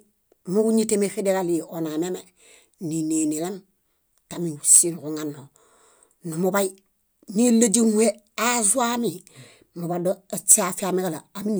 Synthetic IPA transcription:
mu˦ku˦ɲi˦te˦mefi˦de˦kali˨o˨na˨me˦me˨ | ni˨ne˨ni˨le˦m | ta˨mi˨usi˦nku˨ŋa˨nːo˨ | nu˨mu˨ba˦ji | ni˦la˦d͡ʒi˦ŋwe˦ | azu˦a˦mi˨ | mu˨ba˨doe˨t͡ʃa˨fi˦a˨mi˦ke˦laː˨mi˦n˨

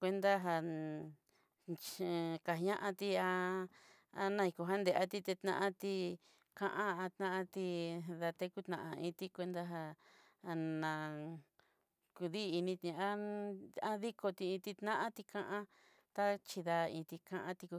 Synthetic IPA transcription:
kʷe˧nd̪a˦ɦa˧ | t͡ʃka˨˧ɲã˦ʔã˧t̪i˧a˧ | a˧nã˧i˧˨ko˧ɦa˦nd̪e˨ʔa˦t̪i˧t̪e˧t̪nã̰˧ʔã˦t̪i˧ | kã˧ʔã˦a˧t̪nã˦ʔã˦˧t̪i˧ða˧t̪e˦ku˦t̪nã˨ʔã˧ĩ˧t̪i˧kʷe˧nd̪a˦ɦa˧ | nã˨˧ | ku˧ðiː˦˧nĩ˧t̪ĩ˧ã˦a˦ði˦ko˧t̪i˧ĩ˧t̪i˧t̪nã˦ʔã˦t̪i˧kã˧ʔã˦ | t̪a˦t͡ʃi˧ða˧ĩ˧t̪i˧kã˧ʔã˧t̪i˧ku˧

